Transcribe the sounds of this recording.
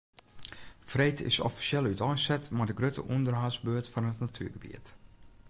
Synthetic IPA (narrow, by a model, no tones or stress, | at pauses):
frejtʰɪ̰sɔ̰fi̥sjɛlˠytɔjsɛtmadəɡrøtə̰ʔundərɦazbøːtfɔnɦətnatʰy̰əɡəbḭət